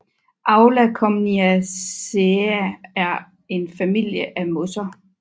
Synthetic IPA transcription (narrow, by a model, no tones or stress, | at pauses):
ʔɑ̈ʊlækʰɒmniæ | eææɐ | e̝nfæmil̰jəʔæmosɐ